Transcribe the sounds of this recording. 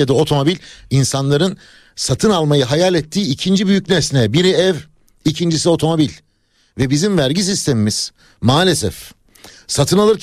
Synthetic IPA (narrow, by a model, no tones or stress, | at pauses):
ad̪ao̞t̪ʰo̞mo̞bilʲinsanlˠaɾɯn | sat̪ʰɯnalˠmajɯɦajalʲɛt̪ʰːiːicʰind͡ʒibyjycnɛsnɛbiɾiɛv | icʰind͡ʒisio̞t̪ʰo̞mo̞bilʲ | vɛbizimvæɾɟis̬ist̪ʰe̞mimiz̥ | maːlʲesɛ̰f | sat̪ʰɯnalˠɯɾc